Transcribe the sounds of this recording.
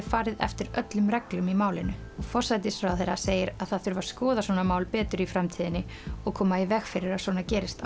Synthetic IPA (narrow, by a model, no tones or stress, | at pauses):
ɪfaːɾɪðɛ̰ft̪ɪɾœt̪lʏmrɛklʏmimaːwlɪnʏɔɣfɔr̥sajt̪ɪsɾaθeɾaseːjɪɾaðθaðθʏɾvaɾ̥skɔːðasvɔːnamaːwlpɛːt̪ʏɾifɾamt̪ʰiːðɪnːɪɔɣkʰɔːmaivɛxfɪɾɪɾasɔːnacɛːɾɪst̪a